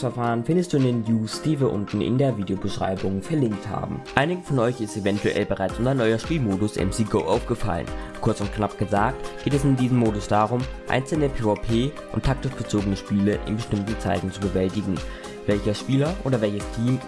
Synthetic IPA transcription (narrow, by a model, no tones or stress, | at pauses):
fɛɐfaːʁənfɪndəstd̥uːɪndeːnjuːsd̥iːviːɐʔʊ̰ntn̩ʔɪ̰ndeːɐviːdeobəʃʁ̥a̰ɪbʊŋfɛɐlɪŋk̚tha̰ːbm̩ʔaɪnɪɡəfɔnʔɔʏçɪstevɛntuʔɛ̰lbəʁaɪt͡sʊmtaɪnːɔʏɐʃpiːlmoːdʊsʔɛ̰msiːɡoʊʔaʊfɡ̥əfa̰lə̰nkʰʊɐt͡sʊntknapɡ̥əzaːk̚tɡ̥eːtɛsɪndiːzəmːoːdʊsd̥aːʁʊmʔa̰ɪnt͡sl̩nəpʰeːopʰeː | ʔʊntʰːak̚tɪʃɡ̥ət͡soːɡənəʃpiːləʔɪ̰nbəʃtɪmtn̩t͡sa̰ɪtn̩t͡subəvɛltɪɡŋ̩ | vɛlçɐʃpiːlɐʔoːdɐvɛlçəstʰiːm